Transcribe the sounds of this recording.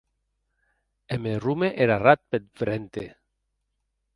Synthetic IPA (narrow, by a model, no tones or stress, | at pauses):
emerumeʔeɾarat̪̚pet̪fɾent̪ḛ